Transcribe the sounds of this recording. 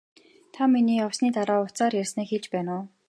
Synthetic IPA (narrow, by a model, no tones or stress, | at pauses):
t̪ʰamːiniːɔwsniːt̪aɾaːʊt͡saːrjærʲsneːkxeɮt͡ɕpæːnʊː